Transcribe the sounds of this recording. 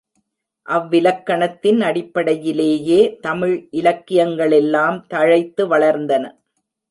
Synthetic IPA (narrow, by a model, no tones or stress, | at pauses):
ʔɐʋːɪlɐkːɐɳɐt̪ːɪnɐɽɪpːɐɽɐjɪleːjeːt̪ɐmɪɻʔɪlɐkːɪjɐŋɡɐɭɛlːaːmt̪ɐɻɐɪt̪ːɯʋɐɭɐɾnd̪ɐnɐ